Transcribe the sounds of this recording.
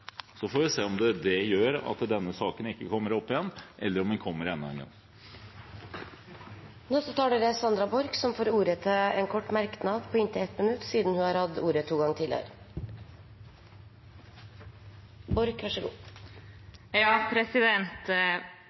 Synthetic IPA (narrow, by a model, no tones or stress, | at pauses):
sɔfoːʋɪseːɔmd̪ɛd̪ɛjøːɾɑ̰t̪d̪ɛnːəsɑːkənɪkːəkʰɔmːəɾɔpːɪjɛnːʔɛlːəɾɔmdɛnkʰɔmːəɾɛnːɛ̰nɡɑ̰ŋ | nosɔt̪ʰɑːɖeɾəsɑnd̪ɾɑbɔɾksɔmfoːɾuːɾət̪ʰɪɛːnkʰɔʈːmæɾknɑd̪pʰɔːɪnt̪ʰɪɛt̪mənʉt̪ːsiːd̪nhʉhɑːɾhɑd̪uːɾət̪ʰuːɡɑŋːt̪ʰɪlə̰ə̰ɾ | bɔɾkʋæʂəɡṵː | jɑːpʰɾɛsɪd̪ɛnt̪